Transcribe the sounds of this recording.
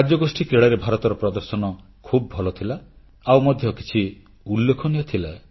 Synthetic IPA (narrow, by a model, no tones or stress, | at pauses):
ad͡ʒɔɡosʈʰikɾeɭaɾebʱaɾɔt̪ɔɾɔpɾɔd̪ɔɾsɔnɔ | kʰubɔbʱɔlɔt̪ʰila | awmɔd̪ʱjɔki̥t͡ʃʰi | ulːekʰɔnijɔt̪ʰila